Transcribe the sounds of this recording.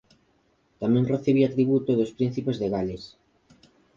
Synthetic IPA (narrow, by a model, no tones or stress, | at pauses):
t̪amɛ̃ŋreθiβ̞iat̪ɾiβ̞ut̪oðospɾin̟θipezðeɣales